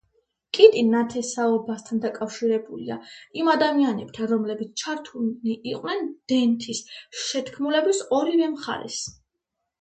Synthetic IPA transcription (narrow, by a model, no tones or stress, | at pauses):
kʼit̪ʼinat̪ʰɛsaɔbast̪ʰand̪akʼafʃiɾɛbulḭaimad̪amianɛb̚t̪ʰanɾɔmlɛbit̪sʰt͡ʃʰaɾt̪ʰuniʔiqʼnɛnd̪̥ɛnt̪ʰisʃɛt̪ʰkʰmulɛbisɔɾivɛmχa̰ɾɛ̰s